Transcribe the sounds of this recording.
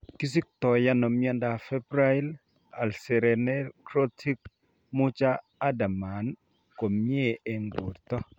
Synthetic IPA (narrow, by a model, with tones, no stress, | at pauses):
ki˦s̬i˦k̚t̪ɔ˨ja˦nɔ˨mjɛ˦nda˨fɛ˦bɾa˦i˦l | a˨lsɛ˨ɾɛ˨nɛ˦kɾo˦tʰi˦k | mʊ˦t͡ʃaː˦ | da˨ma˨n | ko˨mje˦e˦ŋɡo̰˨ɾt̪ɔ˦